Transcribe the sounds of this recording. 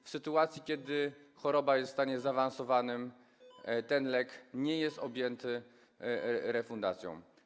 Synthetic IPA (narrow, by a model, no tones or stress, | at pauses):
fsɘt̪uat̪sʲjikʲjɛd̪ɘxɔɾɔbajɛst̪st̪aɲɛzavansɔvanɘm | t̪ɛnlɛkɲɛjɛst̪ɔbʲjɛnt̪ɘ | ɾɛfund̪at̪sʲjɔ̰̃w̃